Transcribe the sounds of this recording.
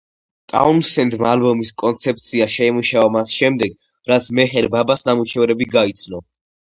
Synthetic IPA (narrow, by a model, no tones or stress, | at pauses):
t̪ʼa̰unsɛnd̪maːlbɔmiskʼɔnt̪sʰɛp̚t̪sʰiaʃɛimuʃaɔmasʃɛmd̪ɛɡ | ɾat̪sʰmɛχɛɾbabasnamuʃɛvɾɛbiɡait̪sʰnɔ